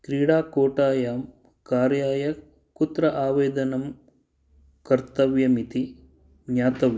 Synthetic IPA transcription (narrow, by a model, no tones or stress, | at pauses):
kɾiːɽaːkoːʈaːjaːm | kaːɾjaːjɐ | kut̪ɾɐʔaːʋeːd̪ɐnɐm | kɐɾt̪ɐʋjɐmit̪i | ɲjaːt̪ɐʋjɐ